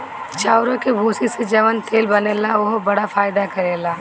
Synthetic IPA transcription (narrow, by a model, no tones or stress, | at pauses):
t͡ʃaːʊɾõkebʱuːsised͡ʒɐʋənt̪eːlbɐneːlaʊɦbɐɽafaːɪd̪akɐɾeːlaː